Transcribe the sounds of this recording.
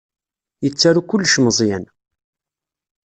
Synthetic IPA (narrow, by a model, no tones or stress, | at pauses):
jət͡sːaɾukʊlːʃməzˤjæn